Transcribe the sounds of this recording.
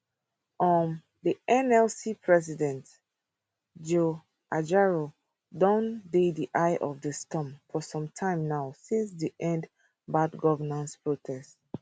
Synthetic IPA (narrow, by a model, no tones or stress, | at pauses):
ɔm | diʔɛ̃nɛlsipʰɹɛsidɛ̃nt | d͡ʒo | ʔad͡ʒaɹo | dɔ̃ndediʔaɪʔɔvdəstɔ̃mfɔsɔ̃mtʰãɪ̃mnaʊsĩns̬diʔɛ̃nd | badɡɔvənãntspɹotʰɛst